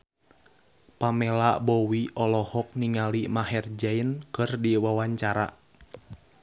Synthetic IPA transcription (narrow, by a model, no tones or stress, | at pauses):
pamɛlabɔwiɔlɔhɔk̚niŋalimaɦɛrd͡ʒainkɨrdiwawaɲt͡ʃaɾa̰